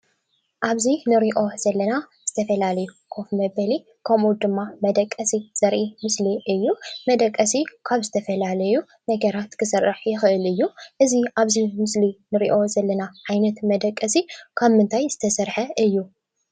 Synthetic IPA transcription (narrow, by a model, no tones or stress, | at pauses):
ʔaβzinɨɾiʔo̞z̥ɐlːɐnaz̥ɨt̪ʰɐfɐlalɐjukʰo̞fmɐβɐli | kʰɐmʔud̪ɨmːamɐd̪ɐkʼːɐsiz̥ɐɾʔimɨsliʔɨjːumɐd̪ɐkʼːɐsikʰaβzɨt̪ʰɐfɐlalɐju | nɐɡɐɾat̪kʰɨsɨrːɨħjɪxɨʔɨlɨjːuʔɨziʔaβzimɨslinɨɾiʔo̞zɐlːɐnaʕajnɐt̪mɐd̪ɐkʼːɐsikʰaβmɨnt̪ʰajz̥ɨt̪ʰɐsɐɾħɐʔɨjːu